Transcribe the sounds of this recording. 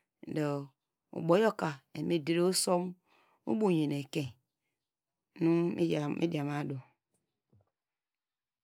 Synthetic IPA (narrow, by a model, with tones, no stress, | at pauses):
do˨ | ṵ˨ɡ͡bo˨˦jo˦ka˨e˨me˦de˦ɾe˦o˦so˦m | ṵ˦bo˦˨ɲe˨ne˨ke˨ | nu˦mḭ˦˨mʔḭ˦di˨a˨ma˦do˨